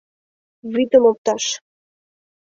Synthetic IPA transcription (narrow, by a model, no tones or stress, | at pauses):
vid̪əmop̚t̪ɑʃ